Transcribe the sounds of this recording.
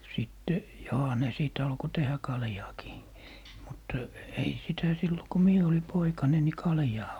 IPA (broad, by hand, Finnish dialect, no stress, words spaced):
sitːe johɑ ne siˑt ɑlko tehæ kɑljɑːkiː mut ei sitæ silːo ko mie oli poikɑne ni kɑljɑː